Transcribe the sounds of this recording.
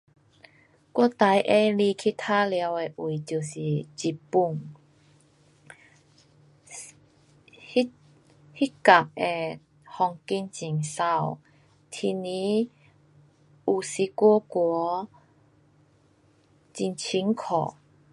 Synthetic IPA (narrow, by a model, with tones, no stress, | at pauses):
kwɔ˥˧t̪a˨˦jʔe˧li˧kʰi˦˥t̪ʰa˦˥lja˨˧˦we˧ʔwi˨˩t͡ɕju˨˩si˨˩t͡ɕi˨˩pu˧˩ŋ | hi˦˥ | hi˦˥t̚ka˨˩k̚e˨˩ | hɔ˧ŋki˧nt͡ɕi˨˩ŋsa˥˧˨w | t̪ʰi˧nĩ˧˦ | u˨˩si˧kwɔ˦kwɔ˨˧˦ | t͡ɕi˧nt͡ɕʰi˧˦ŋkʰɔ̰˨˩